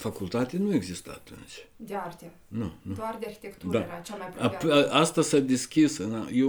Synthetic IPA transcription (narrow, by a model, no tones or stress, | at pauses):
fakult̪at̪enue̞ɡzist̪əa̰t̪ṵnt͡ʃʲd̪eart̪a | nunud̪oard̪earxʲi̥t̪ekt̪uɾaat͡ʃamajpuaʔast̪asad̪eskʲisɨnaje